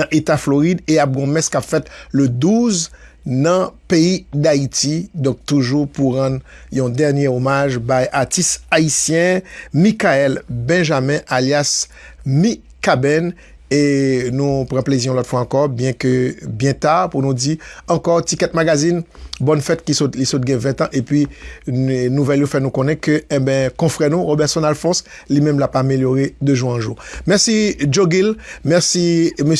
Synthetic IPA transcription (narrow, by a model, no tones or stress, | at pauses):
nãʔet̪afloʁid̪eap̚ɡɔ̃mɛskapfɛt̪ləd̪uz | nɐ̃peid̪ait̪id̪ɔ̃k̚t̪uʒupuʁɑ̃d̪jɔ̃d̪ɛʁnjeomaʒbajʔaʁtist̪aisjɛ̃mikaɛlbɛ̃ʒamɛ̃ʔaljas | mi | kabɛn | enũpʁãpleziʁɔ̃lɔt̪fwaɑ̃kɔʁbjɛ̃købjɛ̃t̪aʁpunũd͡ziɑ̃kɔʁtikɛt̪̚maɡazinbɔnfɛt̪̚kisot̪lisɔt̪̚ɡɛ̃vɛ̃t̪ãʔepɥi | nuvɛljofɛnũkɔ̃nɛ̃køɛ̃bɛ̃kɔ̃fʁɛnũʁobɛʁsɔ̃nalfɔ̃s | limɛ̃mlapameljoʁed̪øʒuʁɑ̃ʒumɛʁsid͡ʒoɡilmɛʁsimø